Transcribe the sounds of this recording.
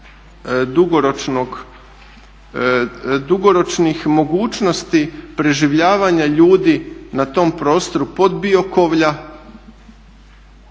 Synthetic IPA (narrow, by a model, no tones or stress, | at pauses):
d̪uɡoɾot͡ʃnoɡ | d̪uɡoɾo̞t͡ʃnixmo̞ɡuːt͡ʃno̞st̪ipɾe̞ʒiʋʎaːʋaɲaʎuːd̪inat̪o̞mpɾo̞ːst̪o̞ɾupo̞d̪bio̞ko̞ʋʎa